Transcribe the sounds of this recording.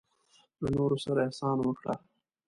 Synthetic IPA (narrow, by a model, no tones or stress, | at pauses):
lanoɾosaɾaasɑnawəkɽa̰